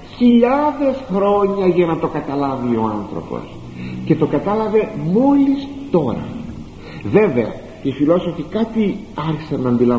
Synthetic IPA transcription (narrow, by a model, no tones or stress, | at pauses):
çiʎɐðe̞sxɾo̞ɲɐʝɐnɐt̪o̞kɐt̪ɐlɐvio̞ɐnθɾo̞̰po̞̰s | ce̞t̪o̞kɐt̪ɐlɐve̞mo̞list̪o̞ɾɐ̰ | ve̞ve̞ɐ̰ | ifiloso̞fikɐt̪i | ɐɾçisɐnːɐːnd̪ilɐ